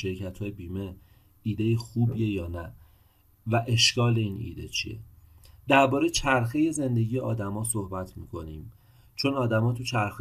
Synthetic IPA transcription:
ʃe̞ɾcʰæt̪ʰhɒːjebiːme̞ | iːd̪e̞jixuːbie̞jɒːnæ | væʔe̞ʃkɒːle̞iːnḭːd̪e̞̰t͡ʃʰḭḛd̪æɾbɒːɾe̞jt͡ʃʰæɾxeje̞ze̞nd̪e̞ɟijeʔɒːd̪æmɒːsohbæt̪ʰmiːkʰo̞niːm | t͡ʃʰo̞nɒːd̪æmɒːt̪ʰut͡ʃʰæɾxe

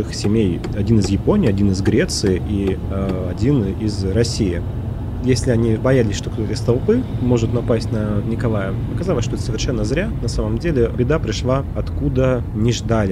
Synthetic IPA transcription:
ɨxsʲɪmʲej | ɐdʲinɨzjɪponʲɪjɐdʲinɨzɡɾʲe̞t̪sɨɪʔi | ɐdʲinɪzrɐsʲijɪ | jesʲlʲɪɐnʲibɐjalʲɪsʲʂt̪okt̪ot̪əɪst̪ɐlˠpɨmo̞ʐɨt̪nɐpasʲtʲnənʲɪkɐlˠajəpɐkɐzalˠəsʲʂt̪oɛt̪səvʲɪrʂɛnːəzɾʲanɐsaməmdʲelʲɪbʲɪd̪apɾʲɪʂlˠaɐt̪kud̪ə | nʲɪʐd̪alʲɪ

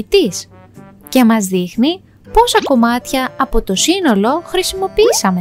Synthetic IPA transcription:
t̪is | ce̞mɐzðixni | po̞sɐko̞mɐt̪çɐɐpo̞t̪o̞sino̞lo̞xɾisimo̞piisɐme

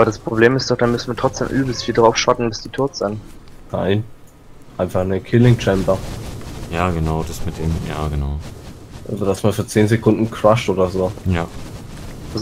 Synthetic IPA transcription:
aːbɐɾaspʁ̥obleːmɪstd̥ɔχd̥aːnmʏsn̩viːɐtʁ̥ɔt͡sd̥ḛːmʔyːbl̩sfiːldʁaʊfʃatn̩bɪsd̥iːtʰʊɐtz̥ɪnt | naɪn | ʔaɪnfaχnəkʰɪlɪŋt͡ʃɛmpɐ | jaːɡənaʊd̥asmɪt̚d̥eːmja̰ːɡəna̰ʊ | ʔavədasmaːfyːɐt͡seːnzekʰʊndn̩kʁ̥aʃtʔoːdɐzoːjḁː | as

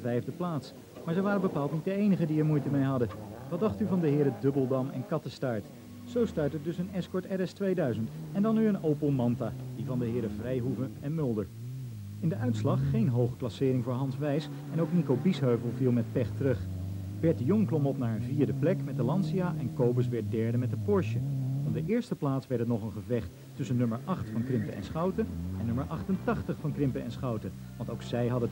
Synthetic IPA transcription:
vɛjvdəplaːts | maːɹzəʋaːɾəbəpaːlˠtnit̚dəejnəχədiɛɹmujtəmejɦɑdəʋɑt̚dɑχtyvɑndəɦɪːɾədɵbəlˠdɑmɛ̰nkɑtəstaːɹt | z̥owstœɥtədɵsənɛskɔɹtɛɾɛstʋejdœɥzəntɛndɑnːyənowpolˠmɑntaːdivɑndəɦɪːɾəvrɛjɦuvəɛnmʏlˠdəɹ | ɪndəʔœɥtslɑχːejnɦowχəklɑsɪːɾɪŋvʊːɹɦɑnsʋɛjs | ɛnowknikowbisɦøɥvəlˠvilˠmɛt̚pɛχtərɵχ | b̥ɛɹtəjɔŋklɔmɔpnaːɹənviːɹdəplɛkmɛt̚dəlɑnsiaʔɛnkowbəs̬ʋɛɹt̚dɛɹdəmɛtəpɔɹʃəɔb̚dəʔɪːɹstəplaːtsʋɛɹtətnɔχənχəvɛχtː | ʏsənːɵməɹʔɑχtfɑnkrɪmpəʔɛ̰nsχɑwtəɛnːɵməɹʔɑχtəntɑχtəχfɑnkrɪmpəɛ̰nsχɑwtə | ʋɑntowksɛjɦɑdə

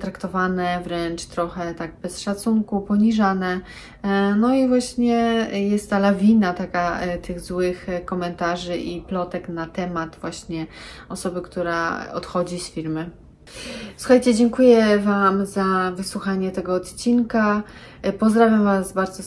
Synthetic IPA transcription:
t̪ɾakt̪ɔvanɛvɾɛnt͡ʂt̪ɾɔxɛt̪aɡ̚bɛsʂat̪suŋkupɔɲiʐanɛ | nɔivwaɕɲɛjɛst̪ːalavʲinat̪akat̪ɘɣzwɘxkɔmɛnt̪aʐɘʔiplɔt̪ɛknat̪ɛmat̪vwaɕɲɛɔsɔbɘkt̪uɾaɔ̰t̪xɔd͡ʑisfʲiɾmɘ | swu̥xajt͡ɕɛd͡ʑɛŋkujɛvamzavɘswuxaɲɛt̪ɛɡɔːt̪t͡ɕinka | pɔzd̪ɾavʲjamvasbaɾd̪ɔ

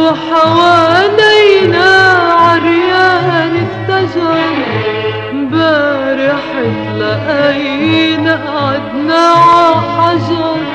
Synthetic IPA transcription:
ħawaːlijnaʕaɾjaːnɪt̪ːaʒɑɾ | baɾɪħɪllaʔaj | naʔʕad̪naʕaħaʒɑɾ

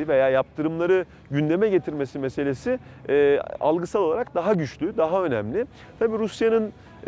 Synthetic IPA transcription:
ve̞jaːjap̚t̪ʰɯɾɯmlˠaɾɯ | ɟynd̪e̞mɛɟet̪ʰiɾme̞simese̞lʲe̞si | a̰lˠɡɯsalˠo̞lˠaɾak̚d̪aɦaɟyt͡ʃlʲyd̪aɦaø̞næmlʲɪ | t̪ʰabiːɾusjanɯn

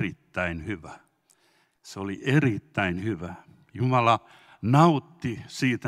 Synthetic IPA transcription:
rit̪ːæinhyʋæ | seoliʔerit̪ːæinhyʋæ | jumɑlɑ | nɑut̪ːisiːt̪æ

